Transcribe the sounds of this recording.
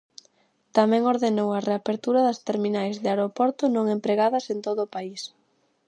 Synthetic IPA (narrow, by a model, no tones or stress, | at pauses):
t̪amɛ̃ŋoɾðenowɐreapeɾt̪uɾɐðɐst̪eɾminajzðɪaɾopoɾt̪ʊnõŋẽmpɾeɣaðɐsent̪oðʊːpais